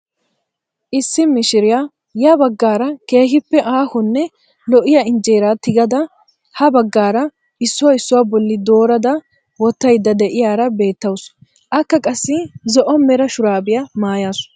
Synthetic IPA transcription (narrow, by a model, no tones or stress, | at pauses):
ʔɪsːɪmɪʃɪɾɪjaː | jɐbɐɡːaːɾɐke̞ːɦɪpːɛʔaːhʊnːɛ | lɔʔɪjɐɪnd͡ʒeːɾat̪ɪɡɐd̪ɐ | hɐbɐɡːaːɾɐ | ɪsːʊwɐɪsːʊwaːbɔlːɪd̪o̞ːɾɐd̪ɐ | wɔt̪ːɐjd̪ːɐd̪ɛʔɪjaːɾɐbe̞ːt̪ːɐwʊs | ʔɐkːɐkʼɐsːɪzɔʔɔmːɛɾɐʃʊɾaːbɪjɐmaːjaːsʊ̥